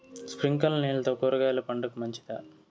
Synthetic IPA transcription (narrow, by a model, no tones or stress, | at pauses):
spɾiŋkɐlɐniːlɐt̪oːkoːɾɐɡaːjlɐpɐɳɖɐkumɐɲt͡ʃi̥d̪aː